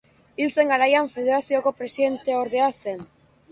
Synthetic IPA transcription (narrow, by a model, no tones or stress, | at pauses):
ilse̞ŋɡaɾajaɱfeðeɾasiokopɾe̞siðe̞nt̪eoɾðeasen